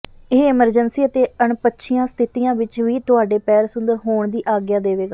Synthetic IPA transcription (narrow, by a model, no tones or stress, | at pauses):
ɪɪməɾd͡ʒənsiːət̪eːəɳpətːʃʰijãːst̪ʰɪt̪iːjãːʋɪt͡ʃʋiːt̪ʊaːɖeːpɛːɾsʊnd̪əɾɦoːɳd̪iːʔaːɡjaːd̪eːʋeːɡaː